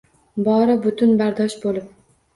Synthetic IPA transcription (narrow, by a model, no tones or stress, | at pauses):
bɒɾɪbʊt̪ʰʊnbaɾd̪ɒʃbolɪp̚